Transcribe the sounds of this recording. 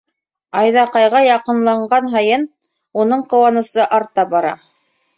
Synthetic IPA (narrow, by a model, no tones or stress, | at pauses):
ɑjðɑqɑjʁɑjɑqɤ̆nlˠɑɴɢɑnɦɑjɤn | unɤɴqɤ̆wɑnɤ̆sɤʔɑɾt̪ɑbɑɾɑ̰